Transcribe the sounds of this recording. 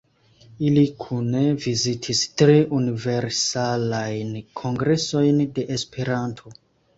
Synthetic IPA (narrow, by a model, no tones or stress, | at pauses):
ilikʰunevizitʰistɾeʔunive̞ɾsalajnkʰo̞ŋɡɾe̞so̞jnde̞ʔespe̞ɾantʰo̞